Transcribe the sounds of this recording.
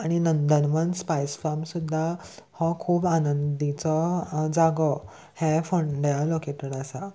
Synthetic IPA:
aɽ̃inənd̪ənmənspajsfaɾmsud̪ʱːahɔkʰuːbanənd̪it͡sɔd͡zaɡɔ | hɛ̃fəɳɖjalokeʈəɾasa

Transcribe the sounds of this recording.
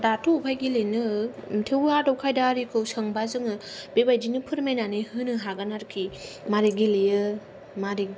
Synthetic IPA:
datʰoupʰajɡilenɯtʰewadɔwkʰajdaɾikʰɯwsəŋbazɯŋɯb̥ebajdinɯpʰɯɾmajnanɯhɯnɯɦaɡanaɾkʰimaɾiɡilejɯ | maɾi

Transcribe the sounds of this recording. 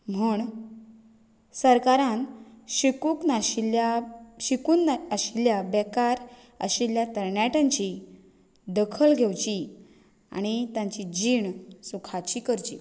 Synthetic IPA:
m̤əːɳ | səɾkaɾãnɕikuknaaɕikuːnəɕiljabɛkaɾ | ə̰ɕiljat̪əɾɳjaʈãɲt͡ɕi | d̪əkʰəlɡʱewt͡ɕi | a̰ɽ̃it̪ãɲt͡ɕid͡ʑiːɳsukʰat͡ɕiːkəɾt͡ɕḭː

